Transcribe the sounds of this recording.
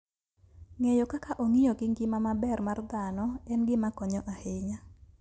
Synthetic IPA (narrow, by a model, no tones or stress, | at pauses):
ŋɛjɔkakaʔoŋijoɡɪŋɡɪmamabɛrmard̪anɔɛnɡɪmakɔɲɔʔaheɲa